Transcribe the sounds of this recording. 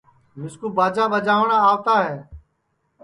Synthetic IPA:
mɪskuːbaːd͡ʒaːʋəd͡ʒaːʋɳãːaːʋt̪aːɦɛː

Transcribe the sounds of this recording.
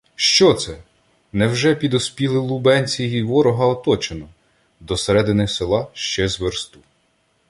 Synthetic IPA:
ʃt͡ʃɔt̪sɛ | nɛwʒɛpʲid̪ɔspʲilˠɪlˠubɛnʲt͡sʲijiʋɔɾɔɦɐɔt̪ɔt͡ʃenɔ | d̪ɔseɾɛd̪ɪnɪselˠɑʃt͡ʃɛzʋeɾst̪u

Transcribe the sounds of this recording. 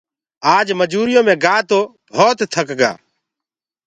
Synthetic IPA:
aːd͡ʒməd͡ʒuːɾɪjõːmɛ̃ɡaːt̪obʱɔːt̪t̪ʰːəkɡa̰ː

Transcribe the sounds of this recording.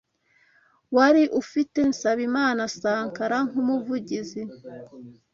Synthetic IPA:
waɾiʔufite̞nsaβimaːnasaːŋkaɾaŋ̥umuvuɟizi

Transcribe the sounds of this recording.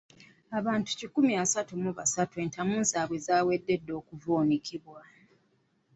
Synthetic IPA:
aβaːntu̥cikumiasatumuβasatue̞ːntʰamuːnzaːβwezaːwe̞dːe̞dːo̞ːkuvoːnikʰiβwa

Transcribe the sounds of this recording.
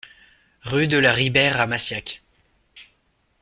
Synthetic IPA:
ʁyd̪əlaʁibɛʁamasjak

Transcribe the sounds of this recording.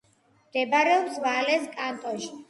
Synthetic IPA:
md̪̥ɛbaɾɛɔpsvalɛskʼant̪ʼɔʃi̥

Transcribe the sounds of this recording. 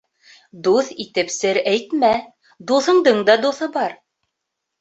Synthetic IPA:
d̪uθit̪ɘ̆psɘɾæjt̪mæ | d̪uθɤ̆ɴd̪ɤɴd̪ɑd̪uθɤbɑɾ

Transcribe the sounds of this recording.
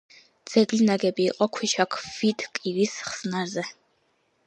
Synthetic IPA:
d̪z̥ɛɡlinaɡɛbiːqʼɔkʰwiʃakʰvid̪kʼiɾisχsnaɾzɛ

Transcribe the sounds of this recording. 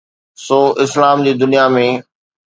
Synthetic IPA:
soːʔɪslaːmd͡ʑiːd̪ʊnijamẽ

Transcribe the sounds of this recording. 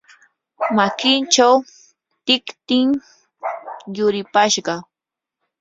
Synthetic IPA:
makɪnt͡ʃaw | t̪ɪkt̪ɪŋ | jʊɾɪpaʃɢɑ

